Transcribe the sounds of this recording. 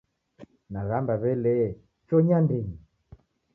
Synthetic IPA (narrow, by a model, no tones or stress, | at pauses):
naɣambaβɛlɛ | t͡ʃɔɲandɛɲi